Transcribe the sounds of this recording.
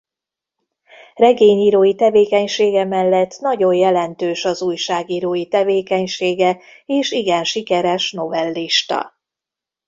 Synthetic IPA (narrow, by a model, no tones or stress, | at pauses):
rɛɡeːɲiːɾoːjit̪ɛveːkɛɲʃeːɡɛmɛlːɛt̪ːnɒɟo̞jjɛlɛnt̪øːʃɒzuːjʃaːɡiːɾoːjit̪ɛveːkɛɲʃeːɡɛ | eːʃiɡɛnʃikɛɾɛʃno̞vɛlːiʃt̪ɒ̰